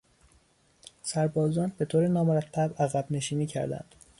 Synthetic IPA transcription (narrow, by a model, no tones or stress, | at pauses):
sæɾbɒːzɒːnbe̞t̪ʰoːɾenɒːmoɾæt̪ʰːæbæɣæbne̞ʃiːniːcʰæ̰ɾd̪æ̰nd̪̥